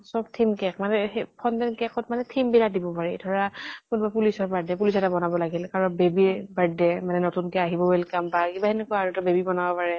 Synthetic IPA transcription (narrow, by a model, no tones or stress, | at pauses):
sɔb̚tʰimkɛkʰmanɛpʰɔndɛnkɛkʰɔtmanɛtʰimbiladibɔpaɹḭdʱɔɹakunubapulisɔɹbadɛpulisɛtabɔnabɔlaɡilkaɹɔnbebibaɹdɛmanɛnotunkɛaɦibɔbelkambakibaɦɛnekɔjaɹutabebibɔnabɔpaɹɛ